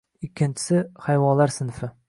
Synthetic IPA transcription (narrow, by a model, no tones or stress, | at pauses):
ɪkʲʰːɪnt͡ʃʰɪ̥sɪχajvɒnlaɾsɪnfɪ